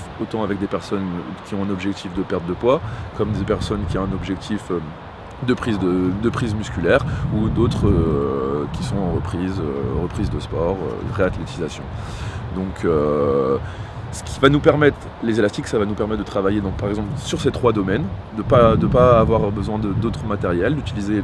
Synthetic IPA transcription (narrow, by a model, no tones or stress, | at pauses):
ot̪ɑ̃avɛk̚d̪epɛʁsɔnkʲiɔ̃ɛ̃nɔbʒɛk̚t̪ʰifd̪əpɛʁt̪̚d̪əpwakɔmd̪epɛʁsɔnkʲiɔ̃ɛ̃nɔbʒɛk̚t̪ʰifø | d̪əpχizd̪əd̪əpχizmyskʲylɛʁud̪ot̪χø | kʲisɔ̃ɑ̃ʁəpχizøʁəpχizd̪əspɔʁø̰ʁeat̪let̪izasjɔ̰̃ | d̪ɔ̃kʰø | sə̥kʲivanupɛʁmɛt̪χ | lezelast̪iksavanupɛʁmɛt̪̚d̪ət̪χavajed̪ɔ̃paʁɛɡzɑ̃plsyʁset̪χwad̪ɔmɛnd̪əpad̪əpaːvwaʁbəzwɛ̃d̪əd̪ot̪χəmat̪ɛʁjɛld̪yt̪ilize